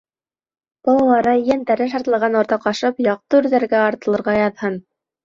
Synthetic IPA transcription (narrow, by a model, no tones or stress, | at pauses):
b̥ɑlˠɑlˠɑɾɑjænt̪æɾɘʃ̬ɑɾt̪lˠɑʁɑnŏɾt̪ɑqɑʃɤpjɑq̚t̪ɤʉɾðæɾɡæɑɾt̪ɤ̆lˠɤ̆ɾʁɑjɑðhɤn